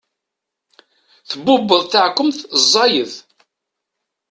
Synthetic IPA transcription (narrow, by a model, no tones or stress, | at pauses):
θəbːʊbːəðˤθaʕkʷːəmθzˤːɑjəð